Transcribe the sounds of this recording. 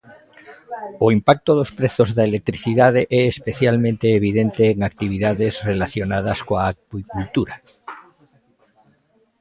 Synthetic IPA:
oimpak̚t̪oðospɾeθozðaelek̚t̪ɾiθiðað̞eʔɛːspeθjalmẽnt̪eːβ̞iðent̪eːŋak̚t̪iβ̞iðaðezrelaθjonað̞askoaːkwikult̪uɾa

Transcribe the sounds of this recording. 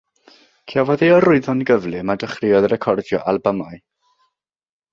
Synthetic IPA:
kʰavɔðeɔrʊɨðɔnɡəvlɨmadəχrɪɔðɾɛkʰɔrdjɔ̰ʔalˠbamaɨ

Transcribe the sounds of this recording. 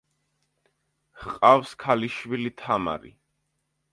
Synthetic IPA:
hqʼafskʰaliʃwilit̪ʰama̰ɾḭ

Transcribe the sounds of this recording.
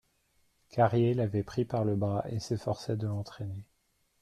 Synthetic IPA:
kʰaʁjelavɛpχipaʁləbʁaʔesefɔʁsɛd̪əlɑ̃t̪χene

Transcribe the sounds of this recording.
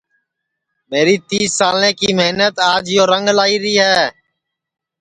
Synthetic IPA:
meːɾiːt̪iːsːaːlẽːkiːmeːnət̪aːd͡ʒɪjoːɾəŋɡlaːiːɾiːɦɛː

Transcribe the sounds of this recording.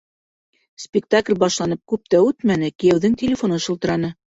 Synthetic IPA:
spʲɪk̚t̪aklʲbɑʃlˠɑnɤp̚kʉp̚t̪æʉt̪mænɘkɘ̆jæwðɘŋtʲɪlʲɪfonɤʃɤ̆lˠt̪ɤ̆ɾɑnɤ

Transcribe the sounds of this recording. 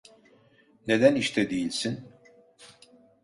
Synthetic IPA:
ne̞d̪æniʃt̪ʰɛd̪ejilʲsin

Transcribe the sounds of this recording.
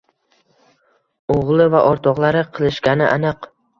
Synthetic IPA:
oʁlˠɪvaʔɒɾt̪ʰɒʁlˠaɾɪqʰɨlˠɪʃkʲanɪʔa̰nɨq

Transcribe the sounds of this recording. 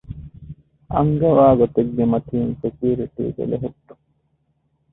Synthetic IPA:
ʔɐ̰ŋɡɐʋaːɡot̪eɡːemɐt̪iːnfekiːɾiʈ̪ḭːd̪ḛleɦut̪ːu̥

